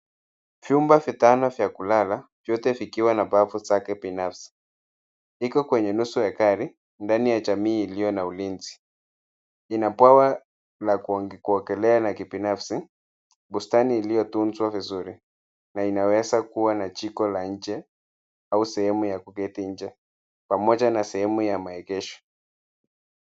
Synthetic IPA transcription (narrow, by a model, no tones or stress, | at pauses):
vjumbavitanɔvjakulalavjɔtɛvikiwanapavuzakɛbinafsi̥ | ikɔkwɛɲɛnusujakaɾi | ndanijad͡ʒamiːlijɔnaulinzi̥ | inapwawa | lakkuɔkɛlɛanakibinafsi | bustaniːlijɔtunzwavizuɾi | nainawɛzakuwanat͡ʃikɔlaɲ̩d͡ʒɛ | ausɛhɛmujakukɛtiɲ̩d͡ʒɛ | pamɔd͡ʒanasɛhɛmujamaɛkɛʃɔ̥